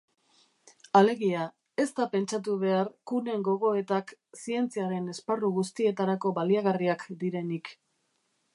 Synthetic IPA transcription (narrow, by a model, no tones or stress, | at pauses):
ale̞ɣia | e̞st̪ape̞nt͡ʃat̪̬uβ̞e̞aɾkune̞ŋɡo̞ɣ̞o̞e̞t̪aksie̞nt͡siaɾe̞ne̞sparuɣust̪ie̞t̪aɾako̞βaliaɣariakd̪iɾe̞nik